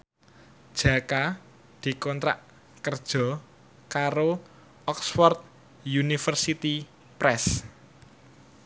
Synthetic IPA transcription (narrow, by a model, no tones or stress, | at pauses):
d̥ʒ̥a̤ka | d̪̥i̤kɔnt̪ɾa̰ʔ | kərd̥ʒ̥ɔ̤ | kaɾo | ʔɔksfɔrt̪̚ | junifərsit̪i | pɾɛs